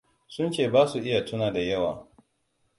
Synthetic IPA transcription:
sʊ˦nt͡ʃeː˦˨baː˦su˨ʔɪ˦ja˨tʊ˦naː˨da˨jɐ˦wa̰ː˨

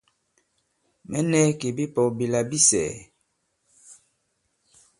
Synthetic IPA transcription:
mɛ˦nɛ˦ke˨bi˦pɔ˨bi˨la˨bi˦sɛ̰˨

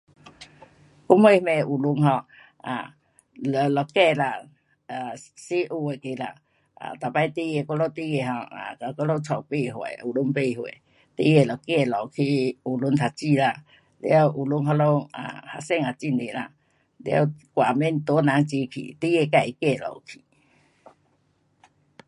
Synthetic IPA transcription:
ku˦mhwe˧mẽ˧˨u˨˩lu˧ŋɦɔ˧˨ | ã̰˨ | lɔ˧˨lɔ˨˩kɛ˥˧˨la˧ | a˨si˦ʔu˧e˨ki˧la̰˧ | a̰˨t̪a˨˩pa˧jt̪i˦je˧kɔ˦lɔ˦t̪i˦e˧ɦɔ˧a̰˨ka˧kɔ˧˦lo˦˧˦t͡sʰɔ˨wpe˥˧˨ɦwḛ˨u˨lu˧˦ŋpe˥˧˨hwḛ˨ | t̪i˦je˧˨lɔ˨˩ke˧˨lɔ˨kʰi˧u˨˩lu˧˦nt̪ʰa˨˩t͡ɕi˧˨la˧ | lj̰a˦wʔu˨˩lu˦ŋɦa˧lɔ˧˦a̰˨ha̰˧˨sɛ˦˧˨ŋa˨t͡ɕi˧nde˨la̰˧ | lḛ˧˦wkwa˨mɛ˦nt̪ɔ˧˦nã˨˧˦ŋt͡ɕi˧˦kʰḭ˨t̪i˦je˧ka˧˩˨ʔi˨ke˧˨lɔ̰˨kʰi˨˦

